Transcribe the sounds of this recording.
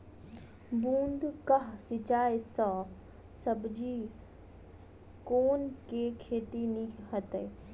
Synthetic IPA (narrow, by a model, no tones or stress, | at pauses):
bũːnd̪kɐɦsɪt͡ʃaːesaː | sɐbʱd͡ʑiː | koːnkekʰeːt̪inĩhɐt̪ə